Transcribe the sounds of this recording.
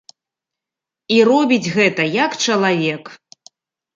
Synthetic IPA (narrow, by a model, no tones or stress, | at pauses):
irɔbʲid͡zʲɣɛt̪ɐjɐkt͡ʂɐlˠavʲɛk